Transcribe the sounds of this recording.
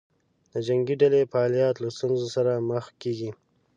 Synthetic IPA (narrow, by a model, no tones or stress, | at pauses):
d̪̥əd͡ʒaŋɡiɖalefaːlijɑt̪last̪unzosaɾaməxkeɡi